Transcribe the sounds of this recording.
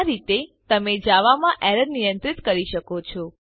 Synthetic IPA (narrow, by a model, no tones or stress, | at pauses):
ɾit̪et̪əmed͡ʒaʋamãʔɛɾəɾnijənt̪ɾit̪kəɾiʃəkot͡ʃʰɔ